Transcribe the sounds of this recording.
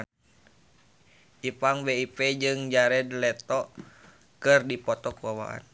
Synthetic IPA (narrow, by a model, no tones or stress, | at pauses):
ʔipaŋbeipɛd͡ʒɨŋd͡ʒaɾɛdlɛt̪ɔ | kɨrdipɔt̪ɔkuwawa̰ʔa̰n